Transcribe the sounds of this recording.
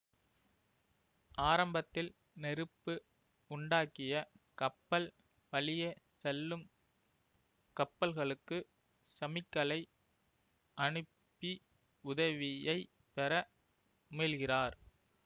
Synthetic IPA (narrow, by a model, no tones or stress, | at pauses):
ʔaːɾɐmbɐt̪ːɪl | nɛɾɯpːɯ | ʊɳɖaːkːɪjɐkɐpːɐl | pɐlɪjɐ | sɛlːɯm | kɐpːɐlɣɐɭɯkːɯ | sɐmɪkːɐlɐɪ | ʔɐɳɯ | pːi | ʊðɐʋɪjɐɪ | pɛɾɐ | mɪːlɣɪraːɾ